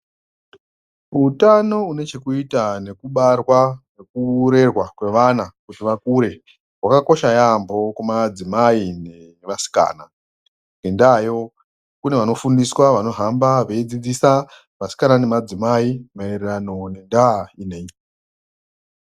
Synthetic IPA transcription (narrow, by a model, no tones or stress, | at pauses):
utano̞une̞t͡ʃe̞kuitane̞kuɓarwanekuɾe̞rwakwe̞ʋanakutiʋakuɾe̞ | wakako̞ʃajambo̞kwemad͡zimaine | eʋasi̥ka̰ːna | ŋɡendaːjo̞ | kune̞ʋano̞fundiswaʋano̞ɦambaʋeid͡zid͡zisa | ʋasi̥kanane̞mad͡zimaimaererano̞ne̞ndainei